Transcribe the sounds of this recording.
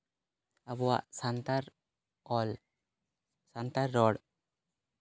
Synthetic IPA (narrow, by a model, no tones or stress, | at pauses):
abɔwa̰ʔsant̪aɾ | ɔl | sant̪aɾːɔɽ